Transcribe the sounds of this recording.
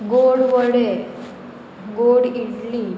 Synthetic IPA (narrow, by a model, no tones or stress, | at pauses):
ɡoɽʋəɽe | ɡoɽiʈliː